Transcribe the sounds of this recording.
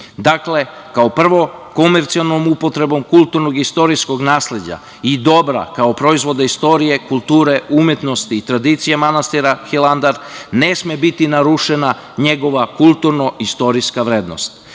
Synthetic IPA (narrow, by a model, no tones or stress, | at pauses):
d̪akle̞ | kaopr̩ʋo̞ko̞meɾt̪sialˠnomupo̞t̪ɾe̞bo̞mkulˠt̪uɾnoɡist̪o̞ɾisko̞ɡnaːsle̞d͡ʑa̰ | id̪o̞bɾa̰kaopɾo̞izʋo̞d̪aist̪o̞ɾije̞kulˠt̪uːɾe̞umje̞t̪no̞st̪iːt̪ɾad̪it̪sijemanast̪iɾaxiland̪aɾnesmebit̪inaɾuʃe̞na | ɲe̞ɡo̞ʋakulˠt̪uɾno̞ʔist̪o̞ɾiskaʋɾeːd̪no̞̰st̪